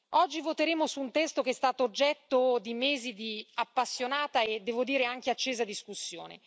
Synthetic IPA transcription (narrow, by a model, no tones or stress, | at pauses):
ɔd͡ʒːivot̪eɾeːmosuːnt̪ɛst̪okeɛst̪aːt̪oːd͡ʒːɛt̪ːod̪imeːzid̪iapːasːjonaːt̪aed̪ːɛːvod̪iːɾeaŋk̟eat͡ʃːeːzad̪iskusːjo̰ːnḛ